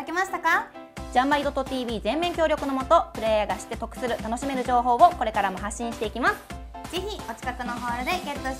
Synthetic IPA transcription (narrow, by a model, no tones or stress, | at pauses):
akemaɕi̥t̪aka | d͡ʑãmbaid̪o̞t̪ːot̪iːbʲiːzẽ̞mːẽ̞ŋkʲoːɾʲo̞kɯ̟no̞mo̞t̪o̞pɯ̟ɾe̞jaɡaɕi̥t̪ːe̞t̪o̞kɯ̟̥sɨɾɯ̟t̪ano̞ɕime̞ɾɯ̟ʑo̞ːɦo̞ːβo̞ko̞ɾe̞kaɾamo̞ɦaɕːĩɕi̥t̪e̞ikʲimasɨ̥ | z̥içio̞t͡ɕi̥kakɯ̟noɦo̞ːɾod̪e̞ɡeo